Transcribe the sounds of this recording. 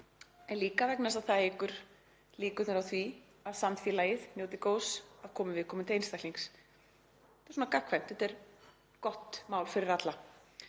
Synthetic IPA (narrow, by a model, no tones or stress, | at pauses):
ɛnliːkavɛknasaðθaðejkʏɾ̥ | liːkʏt̪nʏɾawθvi | aðsamfiːlaːjɪðnjowt̪ɪkoːwsaðkʰɔːmɪvɪð̥kʰɔːmʏnt̪ejnst̪ahkliŋks | t̪ḁɾsuɔnakakʰvajm̥t̪ɛht̪ɛɾ̥ | kɔht̪maːwlfɪɾɪɾat̪la